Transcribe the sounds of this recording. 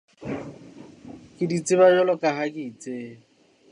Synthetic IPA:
kʼɪdit͡sʼɪbaɲɔlɔkʼaɦakʼɪit͡sʼeː

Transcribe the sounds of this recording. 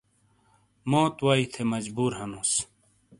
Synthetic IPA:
mõːt̪waːit̪ʰemɐd͡ʑbuːɾɦɐnõːs

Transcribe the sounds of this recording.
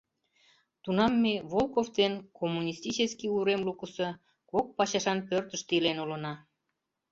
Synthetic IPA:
t̪unɑmːeβolkovd̪enkomːunʲist̪ʲit͡ɕəskiuɾemlukəsə | kok̚pɑɕɑʃɑnpørt̪əʃt̪ilenulənɑ

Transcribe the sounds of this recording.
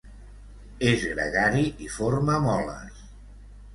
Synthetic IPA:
ezɣɾə̰ɣaɾiʔifoɾməmɔlə̰

